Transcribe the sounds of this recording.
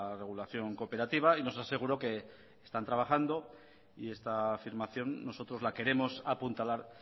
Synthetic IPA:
re̞ɣ̞ulaθjo̞ŋko̞pe̞ɾat̪iβ̞aino̞sase̞ɣ̞uɾo̞ke̞ː | st̪ant̪ɾaβaχand̪o̞ | ie̞st̪afiɾmaθjo̞nːo̞so̞t̪ɾo̞zlake̞ɾe̞mo̞sapunt̪alaɾ

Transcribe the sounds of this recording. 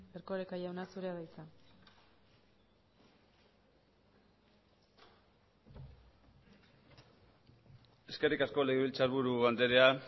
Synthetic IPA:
eɾko̞ɾekajawnasuɾe̞aðajt͡sa | e̞ske̞rikasko̞le̞ɣiβilt͡saɾβuɾuβand̪e̞ɾe̞a

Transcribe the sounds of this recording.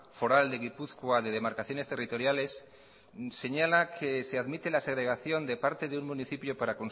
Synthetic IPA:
fo̞ɾald̪e̞ɣ̞ipuθkwaðe̞ð̞e̞maɾkaθjo̞ne̞st̪e̞rit̪o̞ɾjale̞s | se̞ɲalakʰe̞se̞aðmit̪e̞laseɣɾe̞ɣaθjo̞nd̪e̞paɾt̪e̞ðeuŋmũniθipjo̞paɾako̞n

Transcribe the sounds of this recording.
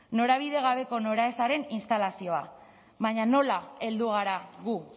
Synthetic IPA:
no̞ɾaβ̞iðe̞ɣ̞aβ̞e̞ko̞no̞ɾaesaɾe̞ninst̪alasio̞a | βaɲano̞lae̞ld̪uɣ̞aɾaɣu

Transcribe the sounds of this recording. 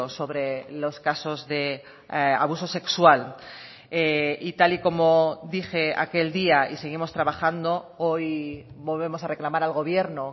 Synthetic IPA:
oso̞βɾe̞lo̞skaso̞zðe̞ | a̰β̞uso̞se̞kswal | eit̪aliko̞mod̪ixe̞a̰ke̞ld̪iaise̞ɣ̞imo̞st̪ɾaβaxand̪o̞ojβo̞lβ̞e̞mo̞sare̞klamaɾalɣo̞β̞je̞ɾno

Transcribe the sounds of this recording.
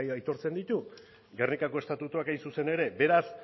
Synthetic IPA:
ajt̪o̞ɾt͡se̞nd̪it̪u | ɡernikako̞e̞st̪at̪ut̪uakajnsuse̞ne̞ɾe̞be̞ɾas

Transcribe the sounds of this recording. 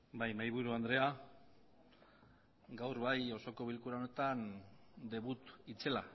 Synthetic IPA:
bajmajβ̞uɾuand̪ɾe̞a | ɡawɾβajo̞so̞ko̞β̞ilkuɾaone̞t̪and̪e̞β̞ut̪it͡se̞la

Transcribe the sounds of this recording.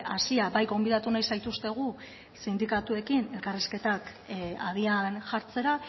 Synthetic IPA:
asiabajɣo̞mbið̞at̪unajsajt̪ust̪e̞ɣ̞u | sind̪ikat̪ue̞kine̞lkariske̞t̪ak | að̞ianʝaɾt͡se̞ɾa

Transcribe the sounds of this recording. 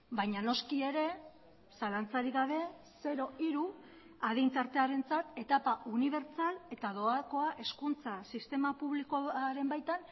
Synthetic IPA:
bajɲano̞skie̞ɾe̞ | salant͡saɾiɣaβ̞e̞ | se̞ɾo̞iɾu | aðejnt̪aɾt̪e̞aɾe̞nt͡sat̪e̞t̪apaʔuniβ̞e̞ɾt͡sale̞t̪aðoako̞aʔe̞skunt͡sasist̪e̞mapuβlikoaɾe̞mbajt̪an

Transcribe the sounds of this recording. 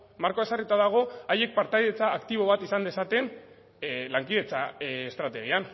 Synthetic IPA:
maɾkoe̞sarit̪aðaɣ̞o̞aje̞k̚paɾt̪ajðe̞t͡saːkt̪iβ̞o̞β̞at̪isand̪e̞sat̪e̞n | laŋkið̞e̞t͡saest̪ɾat̪e̞ɣ̞ian

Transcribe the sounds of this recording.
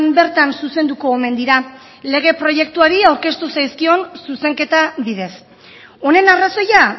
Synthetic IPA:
mbe̞ɾt̪ansuse̞nd̪uko̞ːme̞nd̪iɾa | le̞ɣ̞e̞pɾo̞je̞kt̪uaɾiawɾke̞st̪usajskio̞nsuse̞ŋke̞t̪aβiðe̞s | o̞ne̞naraso̞ja

